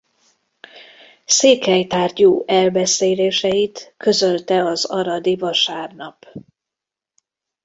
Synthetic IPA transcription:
seːkɛjt̪aːrɟuːʔɛlbɛseːleːʃɛjit̪kø̞zø̞lt̪ɛɒzɒɾɒd̪ivɒʃaːrnɒp

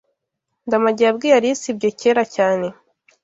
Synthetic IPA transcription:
ndamaɟijabɡiːjaɾisibɟoceːɾacaːne̞

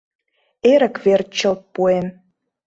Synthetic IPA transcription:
eɾə̆kβert͡ɕə̆lt̪̚puem

